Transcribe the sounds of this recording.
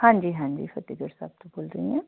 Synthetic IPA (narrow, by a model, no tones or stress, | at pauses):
hãːɲd͡ʒiːɦãːd͡ʒḭːfət̪iɡəɾsa̰ːb̚t̪oboːlɾəɦiɦɛ̃ː